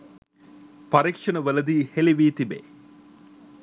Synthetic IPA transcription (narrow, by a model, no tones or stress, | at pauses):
pɐɾikʂɐnəʋəlɐd̪iːheliʋiːt̪ibḛ